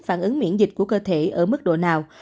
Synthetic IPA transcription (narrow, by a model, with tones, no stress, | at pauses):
faː˧˩nʔɨ˨˦ŋmḭ˧˥ənzï˨˩k̟̚ku˧˩əkəː˧t̪ʰe˧˩ʔəː˧˩mɨ˦˥k̚ɗo̰˧˨naː˨˩w